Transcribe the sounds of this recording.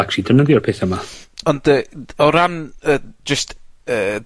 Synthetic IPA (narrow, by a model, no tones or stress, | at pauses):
akridənəðjɔrpʰeːθəmaɔndəɔɾanəd͡ʒəstəː